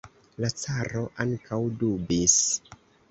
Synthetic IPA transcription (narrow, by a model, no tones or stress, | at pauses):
lat͡saɾo̞ʔaŋkʰawdubis